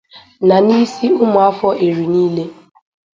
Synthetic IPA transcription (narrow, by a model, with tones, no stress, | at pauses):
na˨ni˦si˦ʊ˦mʊ˨a˦fɔ˦ʔe˨ɾi˨niː˦le˦